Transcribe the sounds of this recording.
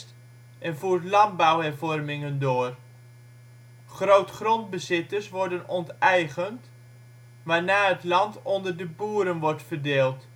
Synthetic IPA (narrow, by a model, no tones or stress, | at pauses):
t | ʔɛnvuːɹtlɑnbawɦɛɹvɔrmɪŋəndoːr | χrowtχrɔnd̚bəzɪtəɹsʋɔɹdənɔntɛjχənt | ʋaːɹnaːɦətlɑntɔndərdəbuːɾənʋɔɹtfərdɪːlˠt